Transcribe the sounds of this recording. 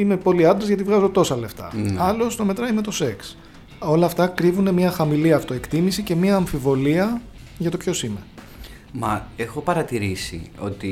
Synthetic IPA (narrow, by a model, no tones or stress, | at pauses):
ime̞po̞liɐnd̪ɾɐzʝɐt̪̬ivɣɐzo̞t̪o̞sɐle̞ft̪ɐ̰ɐlo̞st̪o̞me̞t̪ɾɐime̞t̪o̞se̞ks | o̞lɐːft̪ɐkɾivune̞mɲɐxɐmiliɐft̪o̞e̞kt̪imisice̞miɐːɱfivo̞liɐ | ʝɐt̪opço̞sime̞ | mɐexo̞pɐɾɐt̪iɾisḭo̞̰t̪i